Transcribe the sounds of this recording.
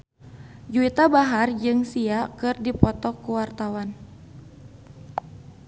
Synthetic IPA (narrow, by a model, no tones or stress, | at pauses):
d͡ʒuit̪abaɦard͡ʒɨŋsiakɨrdipɔt̪ɔkuwart̪awan